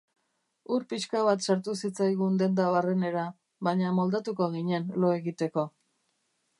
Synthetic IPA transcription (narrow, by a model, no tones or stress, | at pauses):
uɾpiskaβat̪saɾt̪usit͡sajɣ̞und̪e̞nd̪aβare̞ne̞ɾa | βaɲamo̞ld̪at̪uko̞ɣiɲe̞nlo̞e̞ɣit̪e̞ko̞